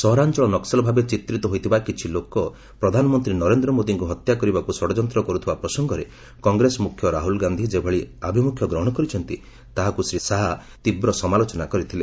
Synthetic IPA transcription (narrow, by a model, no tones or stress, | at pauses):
sɔɦɔɾant͡ʃɔɭɔnɔksɔlɔbʱabet͡ʃit̪ɾit̪ɔɦojt̪ʰibakit͡ʃʰilokɔ | pɾɔd̪ʱanɔmɔnt̪ɾinɔɾend̪ɾɔmod̪iŋkuɦɔt̪jakɔɾibakusɔɽɔd͡ʒɔnt̪ɾɔkɔɾut̪ʰibapɾɔsɔŋɡɔɾe | kɔŋɡɾesɔmukʰjɔɾaɦulɡand̪ʱid͡ʒebʱɔɭiabʱimukʰjɔɡɾɔɦɔɽ̃ɔkɔɾit͡ʃʰɔnt̪i | t̪aɦakusɾisaɦa | t̪ibɾɔsɔmalot͡ʃɔnakɔɾit̪ʰile